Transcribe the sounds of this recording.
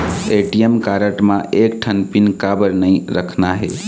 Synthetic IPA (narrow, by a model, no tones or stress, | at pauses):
eʈiemkaːɾəʈmãʔek̚ʈʰənpinkabəɾnəĩɾəkʰnaɦḛ